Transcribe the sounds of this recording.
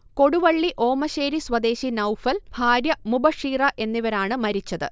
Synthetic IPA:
ko̞ɽuʋɐɭːiʔo̞ːmɐɕe̞ːɾisʋɐd̪e̞ːɕinɐwfɐlbʱaːɾjɐmubɐʂiːrɐʔe̞nːiʋɐɾaːɳɨmɐɾit͡ɕːɐðɨ̰

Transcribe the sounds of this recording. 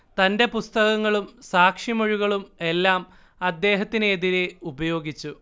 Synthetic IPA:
t̪ɐnde̞pust̪ɐɣɐŋːɐɭumsaːkʂjimo̞ɻiɣɐɭume̞lːaːm | ɐd̪ːe̞ːɦɐt̪ːinːðiɾe̞ubɐjo̞ːɡit͡ɕːu

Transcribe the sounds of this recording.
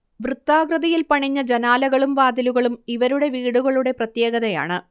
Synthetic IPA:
ʋrɨt̪ːaːɡrɐðɐjilpɐɳiɲːɐd͡ʑɐnaːlɐɣɐɭumʋaːd̪iluɣɐɭumiʋɐɾuɽe̞ʋiːɽuɣɐɭuɽe̞prɐt̪jeːɣɐðɐja̰ːɳɨ

